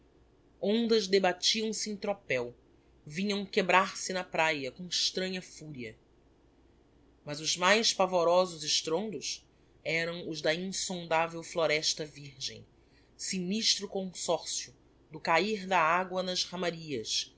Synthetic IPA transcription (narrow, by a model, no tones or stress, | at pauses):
õnd̪ɐzd̪ebat͡ʃiɐ̃w̃sɪẽj̃t̪ɾopɛw | vĩɲɐ̃w̃kebɾaɾsɪnɐpɾajɐkõɪʃt̪ɾɐ̃ɲɐfuɾiɐ | mɐzʊzmajspavoɾɔzʊzɪʃt̪ɾõnd̪ʊs | ɛɾɐ̃w̃ʊzd̪ɐĩŋsõnd̪avewfloɾɛʃt̪ɐviɾʒḛ̃j̃ | siniʃt̪ɾʊkõsɔɾsiʊ | d̪ʊkaiɾd̪ɐaɡwɐnɐzhɐ̃maɾiɐs